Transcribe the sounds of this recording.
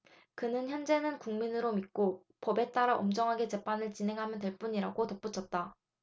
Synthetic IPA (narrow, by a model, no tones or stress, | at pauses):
kɯnɯnçjʌnd͡ʑe̞nɯnkuŋminɯɾomik̚k͈o | pʌbe̞t͈aɾaʔomd͡ʑʌŋɦaɡe̞t͡ɕe̞pʰanɯɭt͡ɕine̞ŋɦamjʌntwe̞ɭp͈uɲiɾaɡotʌp͈ut͡ɕʰʌt̚t͈a